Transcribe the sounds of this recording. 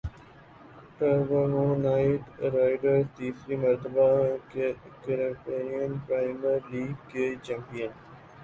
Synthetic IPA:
ʈəɾɡoːnonaːɪʈɾaːɪɖəɾt̪iːsɾiməɾt̪əbakekəɾəmpeːnijənpɾaːɪməɾliːɡkːet͡ʃampijən

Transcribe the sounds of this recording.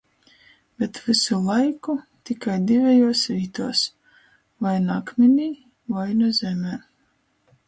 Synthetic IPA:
b̥ʲɛt̪vɨsulˠajkut̪ikajd̪ivʲɛjuɔsɾiːt̪uɔs | vajnakmʲɛnʲiː | vajnuzʲɛmʲɛː

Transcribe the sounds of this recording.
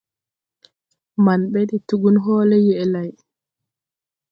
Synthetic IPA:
manɓɛdituɡunɦɔːlɛjɛʔɛlaj

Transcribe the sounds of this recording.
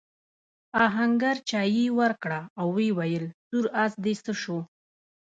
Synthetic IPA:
ɑɦaŋɡaɾt͡ʃɑjiwəɾkɽaːwːewajəlzuɾasd̪esəʃo

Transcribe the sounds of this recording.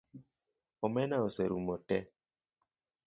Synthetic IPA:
ɔmɛnaoseɾumɔtɛ

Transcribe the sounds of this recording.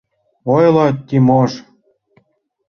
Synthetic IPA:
ojlɑtt̪ʲːimoʃ

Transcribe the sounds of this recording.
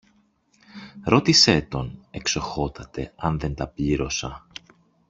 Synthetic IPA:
ɾo̞t̪ise̞t̪o̞ne̞kso̞xo̞t̪ɐt̪e̞ɐnðe̞nt̪ɐpʎiɾo̞sɐ

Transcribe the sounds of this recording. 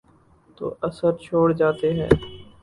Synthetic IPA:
t̪o̰ːʔɐsəɾt͡ʃʰoːɽd͡ʒaːt̪eɦɛ̰ː

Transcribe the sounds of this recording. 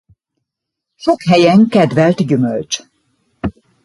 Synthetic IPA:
ʃokɦɛjɛŋkɛd̪vɛlt̪ɟymø̰lt͡ʃ

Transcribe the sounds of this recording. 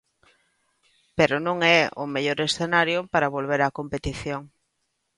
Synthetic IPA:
peɾonõŋɛʊ̰meʎoɾesθenaɾjʊpaɾaβolβ̞eɾakompet̪iθjoŋ

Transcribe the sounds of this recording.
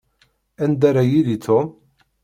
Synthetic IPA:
ænd̪aɾajilit͡sʰo

